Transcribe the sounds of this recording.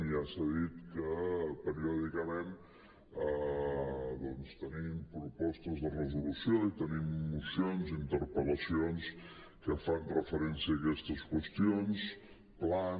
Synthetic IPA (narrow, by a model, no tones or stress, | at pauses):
ʒasaðit̪kəpəɾiɔðikəmɛn | ðɔnst̪ənimpɾupɔst̪əzðərəzulusjoit̪ənimːusjonzint̪əɾpələsions | kəfanrəfəɾɛnsiəːkɛst̪əskwəst̪ions | pla